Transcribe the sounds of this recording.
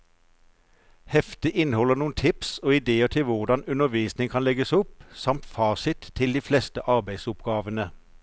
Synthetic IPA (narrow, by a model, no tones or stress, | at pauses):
hɛft̪ɪʔɪnhɔlənuːənt̪ʰɪpsoːɪd̪eːət̪ʰɪlʋʊʁɖ̪ɑnʉnəʋiːsnɪŋkʰɑnlɛɡəsɔpsɑmt̪fɑːsɪt̪ʰːɪld̪iːflɛst̪əʔɑʁbæɪd̪sʊpɡɑːʋənə